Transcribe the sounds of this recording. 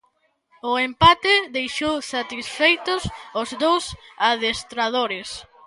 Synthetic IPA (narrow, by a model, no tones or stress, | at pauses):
ʊempat̪ɪðejʃowsat̪isfejt̪ʊsʊzd̪owsaðest̪ɾað̞oɾɪs